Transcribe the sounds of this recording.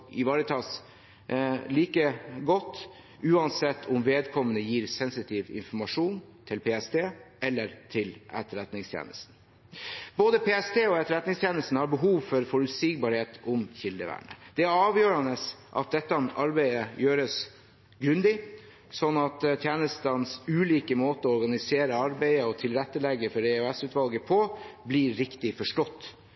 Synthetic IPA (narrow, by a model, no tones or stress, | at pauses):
ɪʋɑːɾət̪ʰɑːs | liːkəɡɔt̪ː | ʉːɑnsɛt̪ʰːʊmʋeːd̪kʰɔmːənəjiːɾsɛnsɪt̪ʰiːʋɪ̰nfɔɾmɑʂuːn | t̪ʰɪlpʰeːɛst̪ʰeːʔɛlːəɾt̪ʰɪlʔɛ̰t̪əɾɛt̪nɪŋst̪ʰjḛːnə̰st̪n̩ | boːd̪əpʰeːɛst̪ʰeːɔɛt̪əɾɛt̪nɪŋst̪ʰjeːnəst̪n̩hɑɾbəɦuːʋfɔɾfɔɾʉt̪sɪk̚bɑɾheːt̪ʰʊmçɪld̪əʋæ̰ːɳə̰d̪̥ɛæɾɑːʋjøːɾɑnəsʔɑ̰t̪̚d̪ɛt̪ːɑʔɑɾbæɪəjøːɾəs | ɡɾʉnd̪ɪ | sɔnːɑt̪t̪ʰjæːnəst̪ɑnsʉːliːkəmoːt̪əɔɔɾɡɑnɪseːɾəɑɾbæɪəɔt̪ʰɪlɾɛt̪ːəlɛɡːəfɔɾeʉɛsʉːt̪ʋɑlɡəpʰɔbliɾɪkt̪ɪfɔʂʈɔt̪ː